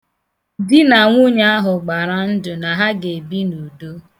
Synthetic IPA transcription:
di˦na˨ŋʷu˦ɲa˦a˦ɦʊ˨ɡ͡ba˨ɾa˦n̩˦dʊ˨na˨ɦa˦ɡe˨bi˦nu˨do˦

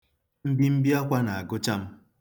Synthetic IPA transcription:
m̩˦bi˦m̩˦bi˦ɔ˦kʷa˦na˨a˨ɡʊ˦t͡ʃa˦m̩˦

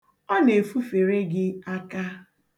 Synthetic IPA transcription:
ɔ˦ne˨fu˦fe˨ɾe˦ɡɪ˦a˦ka˦

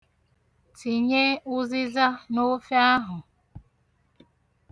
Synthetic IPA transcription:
ti˨ɲe˦ʊ˦zɪ˦za˦no˦fe˦a˦ɦʊ˨

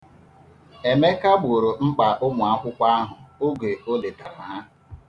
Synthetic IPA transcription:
e˨me˦ka˦ɡ͡bu˨ɾo˨ŋ͡m̩˦k͡pa˨ʔʊ˦mʊ˨a˦kʷʊ˦kʷa˦a˦ɦʊ˨o˦ɡe˨o˦le˨ta˨na˨˦˨

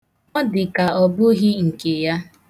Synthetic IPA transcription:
ɔ˦dɪ˨ka˨ɔ˨bʊ˦ɦɪ˦ŋ̩˨ke˨ja˦

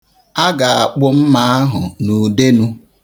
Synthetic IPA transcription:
a˦ɡa˨a˨k͡pʊ˦m̩˦ma˨a˦ɦʊ˨nu˨de˦nu˦

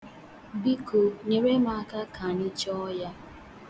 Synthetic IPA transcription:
bi˦ko˨ne˨ɾe˦ma˨a˨ka˦kʰa˨nɪ˦t͡ʃɔ˦ja˦

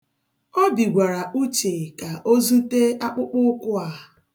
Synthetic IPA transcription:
ɔ˦bi˨ɡʷa˨ɾa˨ʔu˦t͡ʃe˨ka˨ʔo˦zu˦te˦a˦k͡pʊ˦k͡pʊ˦kʷʊ˦a˨

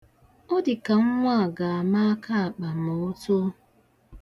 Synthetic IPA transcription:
o˦dɪ˨ka˨ŋ̩˦ŋʷa˦˨ɡa˨a˨ma˦a˦kʰa˦a˨k͡pa˨mo˨o˦to˦

